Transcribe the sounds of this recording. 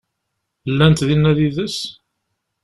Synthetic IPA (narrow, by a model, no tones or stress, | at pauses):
lːænt̪ðinːæðiðəs